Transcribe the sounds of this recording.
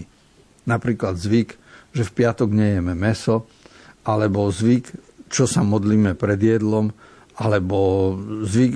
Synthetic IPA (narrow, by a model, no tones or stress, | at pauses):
napɾiːklad̪zʋik | ʒɛfpɪat̪ɔɡɲɛjɛmɛmɛsɔ | ʔalɛbɔzʋik | t͡ʃɔsamɔd̪liːmɛpɾɛd̪ɪjɛd̪lɔm | alɛbɔzʋik